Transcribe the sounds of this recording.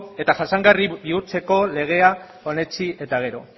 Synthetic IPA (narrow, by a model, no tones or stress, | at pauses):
e̞t̪aʝasaŋɡaribiuɾt͡se̞ko̞le̞ɣ̞e̞a | o̞ne̞t͡siʔe̞t̪aɣ̞e̞ɾo̞̰